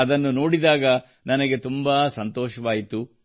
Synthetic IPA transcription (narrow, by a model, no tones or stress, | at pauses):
ɐd̪ɐnːuno̞ːɽid̪aːɡɐ | nɐnɐɡe̞t̪umbaːsɐnt̪ɔːʃɐʋaːjit̪u